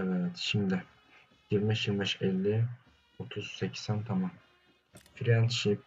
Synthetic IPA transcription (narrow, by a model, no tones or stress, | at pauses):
ɛvɛɾɛt̪ʃimd̪ɪ | jiɾbɛʃjiɾmbɛʃɛlʲːi | ot̪ʰuz̥secʰi̥sænt̪ʰamam | fiɾɛnt̪ʃip